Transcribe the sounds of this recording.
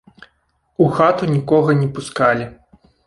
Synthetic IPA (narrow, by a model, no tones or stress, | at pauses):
uxat̪unʲikɔɣɐnʲɛpuskalʲi